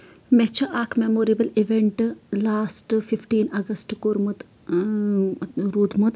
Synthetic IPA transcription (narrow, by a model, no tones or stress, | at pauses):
met͡ʃʰɐʔaːkmemoːɾibəliʋeɳʈlaːsʈfifʈiːnɐɡɐsʈkoːɾmut̪ | ɾuːd̪mut̪